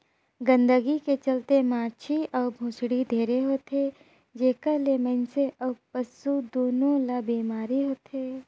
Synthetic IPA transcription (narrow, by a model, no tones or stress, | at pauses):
ɡə̃nd̪əɡiket͡ʃɐlt̪emaːɾt͡ʃʰiɔːbʱʊ̃ːsɽid̪ʱeːɾeɦoːt̪e | d͡ʒeːkəlemə̃nseʔɐpəsud̪oːnõlabiːmaːɾiɦoːt̪ɦeː